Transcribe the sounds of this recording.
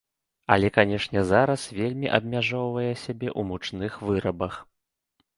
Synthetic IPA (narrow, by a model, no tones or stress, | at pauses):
ɐ̰lʲɛkanʲɛʂnʲɛzaɾɐsvʲelʲmʲiʔɐb̚mʲaʐɔwvɐjɛsʲabʲɛʔumut͡ʂnɨxvɨɾɐbɐx